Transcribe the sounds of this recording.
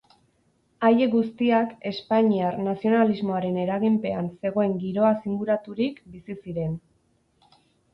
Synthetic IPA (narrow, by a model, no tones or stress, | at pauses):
aje̞ɡust̪iake̞spaɲiarnasio̞nalizmo̞aɾe̞ne̞ɾaɣimpe̞anse̞ɣ̞o̞e̞ŋɡiɾo̞asiŋɡuɾat̪uɾikbisisiɾe̞n